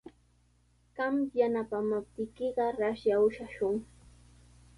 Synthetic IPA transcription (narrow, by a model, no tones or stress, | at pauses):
ɢ̥ɑmjanapamap̚t̪ɪjkɪɢɑɾaʃjaʊʃaʃʊŋ